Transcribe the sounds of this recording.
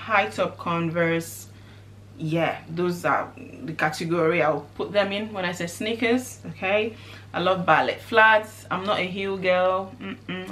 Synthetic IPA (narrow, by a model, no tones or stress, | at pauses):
haɪtʰɔp̚kʰɔ̃nvə˞s | jɛðoza̰ðəkatʰɨɡɔɹiaɪwpʰʊt̚ðɛ̃mɪ̃nwɛ̃ñaɪsesnikəsokʰeɪ | aɪlɔvbalɛ̰tfladsã̰ɪ̃mnɔtəɦuɡɜlm̩m̩